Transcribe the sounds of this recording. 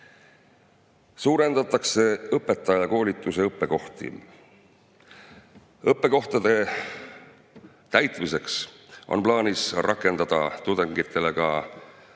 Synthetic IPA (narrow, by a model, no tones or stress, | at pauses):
suːɾe̞nd̪̥ɑt̪ːˑɑkse̞ɤpːe̞t̪ːˑɑjɑko̞ːlʲit̪ːˑuse̞ɤpːe̞ko̞ht̪ḭ | ɤpːˑe̞ko̞ht̪ɑd̪̥e̞ | t̪æjt̪ˑmise̞ksʔo̞̰nplɑːnʲisrʔɑkːˑe̞nd̪ɑd̪̥ɑt̪ud̪̥eŋɡit̪ːˑe̞le̞kɑ